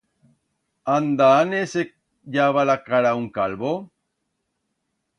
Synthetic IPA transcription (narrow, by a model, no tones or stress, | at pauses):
and̪aːnese | jaβalakaɾauŋkalβo